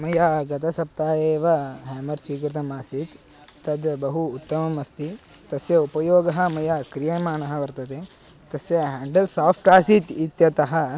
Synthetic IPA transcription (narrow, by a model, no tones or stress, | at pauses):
mɐjaːɡɐt̪ɐsɐp̚t̪aːjeːʋɐɦɛːmɐɾsʋiːkɾit̪ɐmaːsit̪ː | ɐd̪jɐbɐɦuːt̪ːɐmɐmɐst̪it̪ɐsjɐupɐjoːɡɐɦɐ̆mɐjaːkɾijeːmaːnɐɦɐʋɐɾt̪ɐt̪eː | t̪ɐsjɐɦaːɳɖɐlsaːpʰʈaːsit̪it̪jɐt̪ɐɦɐ̆